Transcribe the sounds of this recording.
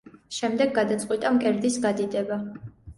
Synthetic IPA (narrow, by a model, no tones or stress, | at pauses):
ʃɛmd̪ɛɡːad̪at̪sʼqʼwit̪ʼamkʼɛɾd̪isɡad̪id̪ɛba